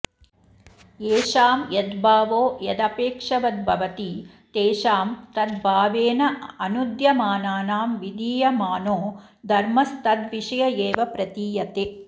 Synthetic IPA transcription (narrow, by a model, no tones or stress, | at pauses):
eːʃaːmjɐd̪bʱaːʋoːjɐd̪ɐpeːkʂɐʋɐd̪̚bʱɐʋɐt̪i | t̪eːʃaːmt̪ɐd̪̚bʱaːʋeːnɐɐnud̪jɐmaːnaːnaːmʋid̪iːjɐmaːnoː | d̪ʱɐɾmɐst̪ɐd̪ʋiʂɐjɐjeːʋɐpɾɐt̪iːjɐt̪eː